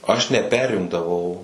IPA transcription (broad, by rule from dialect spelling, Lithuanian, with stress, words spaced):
ɐʃ nʲɛˈpʲæːrʲɪmdɐʋɐʊ